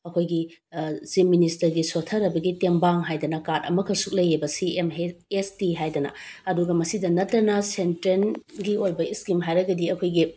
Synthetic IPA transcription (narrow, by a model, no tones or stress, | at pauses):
ɐkʰojɡizimministɐɾɡisotʰɐɾɐbɐɡitembaŋɦajdɐnɐkadɐ̰mɐkʰɐsuk̚lɐjebɐsiemestiɦajdɐnɐ̰ɐduɡɐmɐsidɐnɐtːɐnɐsentɾenɡiojbɐiskimɦajɾɐɡɐdiɐkʰojɡi